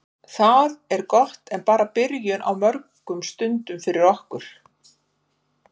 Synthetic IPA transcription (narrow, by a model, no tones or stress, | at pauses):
θaðɛɾkɔht̪ɛnpaːɾapɪɾjʏnʔa̰wmœɾkʏmst̪ʏnt̪ʏmfɪɾɪɾɔhkʏɾ̥